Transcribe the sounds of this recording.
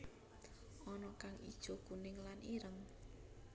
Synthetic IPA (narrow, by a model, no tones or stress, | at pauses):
ɔnɔkaŋid̥ʒ̥o̤kunɪŋlaniɾəŋ